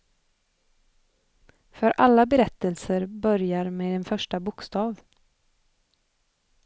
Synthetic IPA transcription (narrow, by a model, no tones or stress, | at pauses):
fœɾʔalːabɛɾɛt̪ːəlsəɾbœɾjaɾmeːd̪ɛnfœʂʈabʊkst̪ɑːv